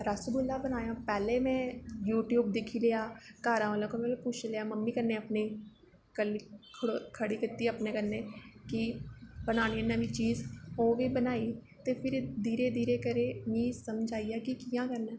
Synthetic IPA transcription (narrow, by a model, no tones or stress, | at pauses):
ɾəsbʊlːaːbənaːjãːpɛːleːmɛ̃ːjuːʈjuːbd̪ɪkʰːiːleaːkaːɾãːʋalãːkomẽpʊt͡ʃʰleaːməmːiːkəɾneːapneː | kəliːkʰəɽoːkʰəɽiːkɪt̪ːiːəpneːkəɾneːkɪbənaːñiːnəʋiːt͡ʃiːzoːʋiːbənaːiː | t̪eːpʰɪɾd̪iːɾeːd̪iːɾeːkəɾeːmĩːsəmd͡ʒaːijaːkɪkijãːkəɾnɛː